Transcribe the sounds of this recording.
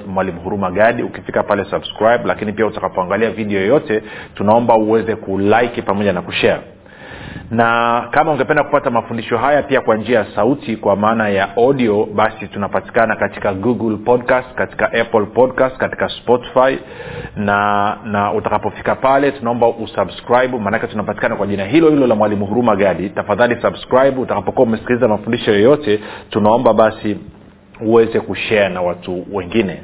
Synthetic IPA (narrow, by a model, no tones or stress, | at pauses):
mwalimuhuɾumaɠaɗiukifikapalɛsabskɾajɓlakinipiautakapɔaŋɡaliaviɗɛɔjjɔtɛtunaɔmbauwɛzɛkulajkipamɔʄanakuʃɛa̰ | nakamauŋɡɛpɛndaku̥patamafundiʃɔɦajapiakwand͡ʒiajasautikwamaːnajaʔɔɗiɔɓasitunapati̥kanakati̥kaɡuɡulpɔdkastkati̥kaʔapɔlpɔdkastkati̥kaspɔti̥fai | nanaʔutakapɔfi̥kapalɛtunaɔmbaʔusabskɾajɓumaːnakɛtunapati̥kanakwaʄinaɦilɔhilɔlamwalimuɦuɾumaɠaɗitafaðalisabskɾajɓuːtakapɔkuaumɛsi̥kilizamafundiʃɔjɔjɔtɛtunaɔmbaɓasi | uwɛzɛkuʃɛanawatuwɛŋɡinɛ